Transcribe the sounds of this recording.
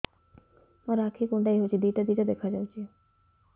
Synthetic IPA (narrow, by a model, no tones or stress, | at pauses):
maɾakʰikonʈajɦot͡ɕʰid̪iʈad̪iʈad̪ɛkʰad͡ʑawt͡ɕʰi